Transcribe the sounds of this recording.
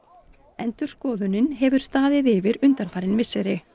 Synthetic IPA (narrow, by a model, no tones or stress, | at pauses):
ɛnt̪ʏɾ̥skɔːðʏnɪnɦɛvʏɾ̥st̪aːðɪðɪvɪɾʏnt̪anfaːɾɪnvɪsːɛɾɪ